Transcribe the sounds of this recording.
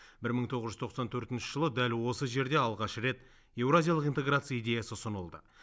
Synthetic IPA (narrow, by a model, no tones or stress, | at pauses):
bɪɾməɴt̪ʰo̞ʁəzʒʏzt̪ʰo̞qsɑnt̪ʰɵɾt̪ɪnʃɪ̥ʒəlˠəd̪ælwo̞səʒe̞ɾd̪e̞ɑlˠʁɑʃɾe̞t̪ | je̞wɾazʲijalˠəqijnt̪e̞ɡrat̪sɨjaijd̪ʲe̞jasəsʊnəlˠd̪ə̰